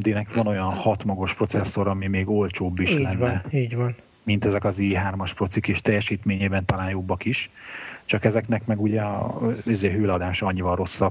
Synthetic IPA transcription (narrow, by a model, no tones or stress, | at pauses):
md̪iːnɛkvɒno̞jɒnhɒt̪mɒɡo̞ʃpro̞t̪sɛsːo̞ɾɒmimeːɡo̞lt͡ʃoːbːiʃlɛnːɛːɟvɒn | mint̪ɛzɛkɒziːɦaːrmɒʃpro̞t̪sikiʃt̪ɛjːɛʃiːt̪meːɲeːbɛnt̪ɒlaːnjobːɒkiʃt͡ʃɒkɛzɛknɛkmɛɡuɟɛɒ̰izeːɦøːlɒd̪aːʃɒɒɲːivɒro̞sːɒb